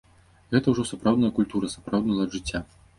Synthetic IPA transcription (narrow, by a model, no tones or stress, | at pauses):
ɣɛt̪ɐwʐɔsapɾawd̪njɐkulʲt̪uɾɐsapɾawd̪nɐlˠɐʐɨt͡sʲːa